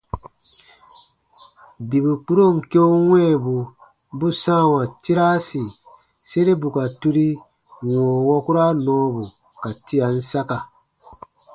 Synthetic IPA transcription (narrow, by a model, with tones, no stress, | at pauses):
bi˨bu˨k͡pu˦ɾo˦˨m̩˨ke˦u˦wɛ̃˦˨bu˨ | bu˦sã˦˨wã˨ti˦ɾa˦si˨ | se˦ɾe˦bu˨ka˨tu˦ɾi˦ | wɔ̃ː˨wɔ˦ku˦ɾa˦nɔ̃ː˨˦bu˨ | ka˨ti˦a˨n̩˦sa˦ka˨